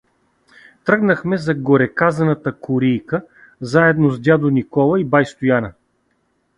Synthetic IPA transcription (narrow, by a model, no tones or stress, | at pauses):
t̪ɾɤɡnəxmɛzɐɡoɾɛkazɐnət̪əkʊɾijkə | zaɛd̪nozd̪ʲjad̪onikɔlˠɐibajst̪ʊjanɐ